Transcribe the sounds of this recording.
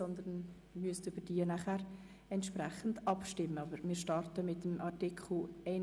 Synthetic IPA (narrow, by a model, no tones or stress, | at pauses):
ɔnd̪ən | myəstʏb̥əɾd̥iənaχæːɾ | ɛntʃpɾæχən̩dɑpʃtɪmːəɑbəɾmɪːɾʃtɑrtəmɪtmʔɑɾtɪkχl̩ɛɪ